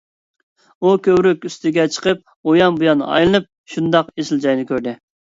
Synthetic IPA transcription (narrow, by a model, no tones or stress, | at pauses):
ukʲʰøwɾykʲyst̪ɪɡʲɛt͡ʃʰə̥qʰəp̚ | ojɑmbujɑnɑ̰jlˠɨnɨp̚ | ʃund̪ɑqesɪlˠd͡ʒɑjnɨkʲʰøɾd̪ɪ